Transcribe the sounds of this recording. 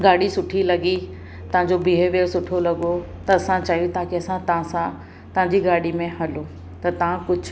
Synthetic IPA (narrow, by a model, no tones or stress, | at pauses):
ɡaːɽisʊʈʰilɐɡi | t̪ɐ̃ʋ̤ãɲd͡ʑobʱiːɦʋeːɾsʊʈʰolɐɡo | t̪ɐːsãt͡ɕaːijut̪ʰaːkeɐsãt̪ɐãsã | t̪ɐʋãɲd͡ʑiɡaːɽimẽɦɐlo | t̪ɐt̪ɐʋ̤ãkʊd͡ʑʱʊ